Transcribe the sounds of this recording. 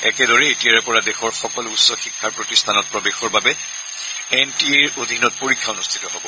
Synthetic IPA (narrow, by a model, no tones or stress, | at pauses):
ɛkɛdɔɹɛetiaɹɛpɔɹadɛxɔɹxɔkɔlutsɔxikʰːaɹpɹotistʰanɔt̚pɹɔbexɔɹbabɛ | ɛntieɹod̪ʱinɔt̚poɹikʰːaunustʰi̥tɔɦobɔ